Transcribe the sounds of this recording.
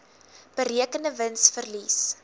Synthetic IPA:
b̥əɾiəkəndəvənsfərlis

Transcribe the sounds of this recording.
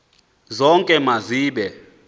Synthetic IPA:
zɔŋkʼɛmaziːɓɛ

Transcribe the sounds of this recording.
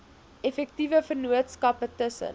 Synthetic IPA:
ɛfɛk̚tivəfərnuətskɐpətəsə̰n

